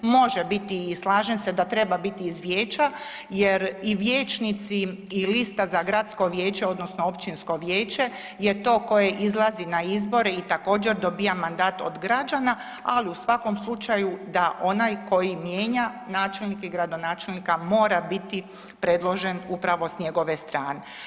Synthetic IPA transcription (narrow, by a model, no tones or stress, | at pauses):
mo̞ʒebit̪iːslˠaːʒensed̪at̪ɾe̞babit̪iːzʋjeːt͡ʃa | jeɾiʋjeːt͡ʃnit̪siː | list̪azaɡɾat̪sko̞ʋje̞ːt͡ʃeo̞d̪nosnoo̞pt͡ʃinsko̞ʋjeːt͡ʃe̞ | jet̪o̞ːko̞jeʔizlˠazinaizbo̞ɾeit̪ako̞ːd͡ʒe̞ɾd̪o̞bijamːand̪aːt̪o̰d̪ɡɾad͡ʒana | aliusʋakomslˠut͡ʃajud̪aʔo̞najko̞jimje̞ːɲanaːt͡ʃe̞lnikiɡɾad̪o̞naːt͡ʃe̞lnikamo̞ːɾabit̪i | pɾe̞d̪lˠo̞ʒe̞nupɾaʋo̞sɲe̞ɡo̞ʋe̞st̪ɾaːne